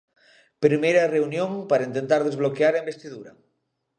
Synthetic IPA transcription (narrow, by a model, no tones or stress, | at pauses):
pɾimejɾɐreunjõŋpaɾaint̪ent̪aɾðezβ̞lokeaɾembest̪iðuɾɐ